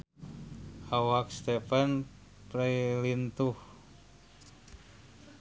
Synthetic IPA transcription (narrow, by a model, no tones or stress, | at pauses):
awak̚st̪efan | pɾailint̪uh